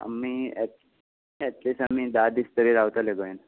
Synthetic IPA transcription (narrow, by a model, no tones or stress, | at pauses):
a̰mːiɛ | ɛʈlisamid̪ad̪ist̪əɾiɾaʋt̪aleɡoin